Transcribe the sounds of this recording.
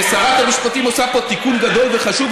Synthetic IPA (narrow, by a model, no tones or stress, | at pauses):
saʁat̪hamiʃpat̪imo̞sapo̞t̪ikunɡad̪o̞lveχaʃuv